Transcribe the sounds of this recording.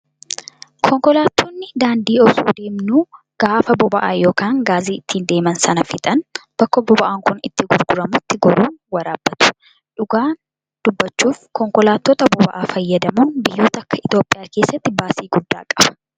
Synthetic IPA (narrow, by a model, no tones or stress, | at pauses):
kʰɔŋkɔlaːt̪ːoːnːɪd̪aːnd̪iːɔsṵːd̪e̞ːmnuː | ɡ̥aːfɐbɔbɐʔa̰ːjo̞ːkaːŋɡaːziːɪt̪ʰːiːnd̪e̞ːmɐnsɐnɐfɪt̪ʼɐnb̥ɐkːɔbɔbɐʔaːŋkʊnɪt̪ːɪɡʊɾɡʊɾɐmʊt̪ːɪɡɔɾuːnwɐɾaːbːɐt̪ʊ̥ | ᶑʊɡaːn | d̪̥ʊbːɐt͡ʃːuːfkɔŋkɔlaːt̪ːɔt̪ɐbɔbɐʔaːfɐjːɐd̪ɐmunbɪjːuːt̪ɐɐkːɐɪt̪jo̞ːpʼːɪjaːke̞ːsːɐt̪ːɪbaːsiːɡʊd̪ːa̰ːkʼɐb̥ɐ̥